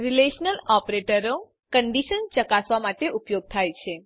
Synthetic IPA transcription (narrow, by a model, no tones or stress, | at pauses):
ɾileʃnəlɔpɾeʈəɾo | kəɳɖiʃənt͡ʃəkasʋamaʈeʔupjoɡ̚t̪ʰajt͡ʃʰe